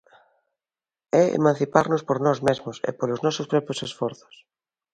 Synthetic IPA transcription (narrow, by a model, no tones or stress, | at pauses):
ɛḛmãn̟θipaɾnʊspoɾnɔzmezmʊsḛpolʊznɔsʊspɾɔpɾjʊsesfɔɾθʊ̥s